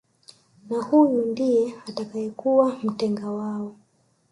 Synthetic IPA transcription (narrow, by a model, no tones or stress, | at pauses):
nahujundijɛatakaɛkuwam̩tɛŋɡawaɔ